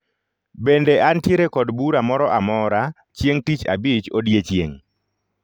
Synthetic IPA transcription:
bendeʔantjeɾekɔdbuɾamɔɾɔʔamɔɾa | t͡ʃjeŋtit͡ʃa̰bɪt͡ʃodjet͡ʃjḛŋ

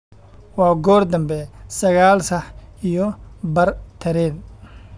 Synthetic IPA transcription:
wɑːɡɔːrd̪ɐmbɛsɐɣaːlsɐħijɔbɐrt̪ʰɐɾɛːn

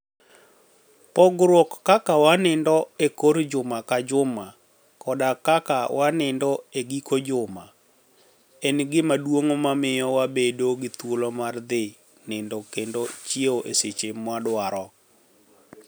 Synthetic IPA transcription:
pɔɡɾokːakawanɪndɔekoɾd͡ʒʊmakad͡ʒʊma | kɔdakakawʔanɪndɔeɡikod͡ʒʊma | ɛnɡɪmadwoŋmamɪjɔwabedoɡɪt̪wolomard̪ɪ | nɪndokendot͡ʃieoʔeset͡ʃemwadwaɾɔ

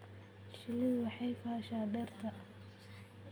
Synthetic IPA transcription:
ʃɪlɪðʊwɑħɑjfaːʃaːd̪ɛrt̪ʰɐ

